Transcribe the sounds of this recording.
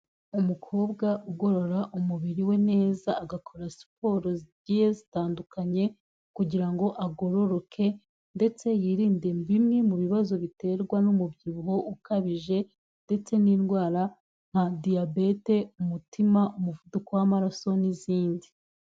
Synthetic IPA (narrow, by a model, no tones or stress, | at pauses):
umukʰo̞ːbɡaʔuɡo̞ɾo̞ɾaʔumuβiɾiwe̞ne̞ːzaːɡakʰo̞ɾasi̥po̞ːɾozɟihezitaːndukaɲe̞ | kuɟiɾaŋɡo̞ʔaɡo̞ɾo̞ɾo̞kʰe̞ | nde̞t͡se̞jiɾiːnde̞mbimŋemuβiβazo̞βite̞ɾɡwanumubjiβuɦo̞ʔukaβiʒe̞ | nde̞t͡se̞niːnɡwaːɾa | ŋ̥hadiabe̞te̞umutimaʔumuvudukowamaɾaso̞niziːndi